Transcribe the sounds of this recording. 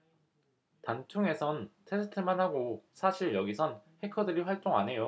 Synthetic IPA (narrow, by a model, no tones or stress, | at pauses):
tant͡ɕʰuŋe̞sʰʌntʰe̞sʰɯ̥tʰɯɭmanhaɡosʰaɕʰiɭjʌɡisʰʌnhe̞kʰʌdɯɾiɸwaɭt͈oŋanɦe̞jo